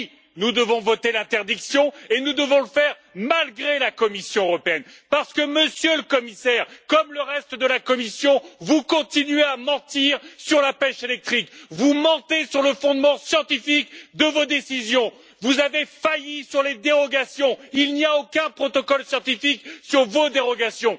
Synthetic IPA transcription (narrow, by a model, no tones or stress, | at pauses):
nud̪əvɔ̃vɔt̪elɛ̃t̪ɛʁd̪iksjɔ̃enud̪əvɔ̃ləfɛʁ | malɡʁelakɔmisjɔ̃øʁɔpeɛnpaʁsə̥kəməsjøləkɔmisɛʁkɔmləʁɛst̪əd̪əlakɔmisjɔ̃vukɔ̃t̪inɥeamɑ̃t̪iʁsyʁlapɛʃelɛk̚t̪χikvumɔ̃t̪esyʁləfɔ̃d̪mɑ̃sjɑ̃t̪ifikd̪əvod̪esizjɔ̃ | vuzavefajisyʁled̪eʁɔɡasjɔ̃ilniaokʲɛ̃pχɔt̪ɔkɔlsjɑ̃t̪ifiksyʁvod̪eʁɔɡasjɔ̃